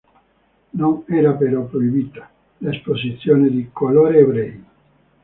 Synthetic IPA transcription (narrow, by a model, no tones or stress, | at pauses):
nonɛːɾapeɾɔpːɾoibit̪ḁ | lesposit̪sːjoːned̪ikoloːɾeːbɾɛi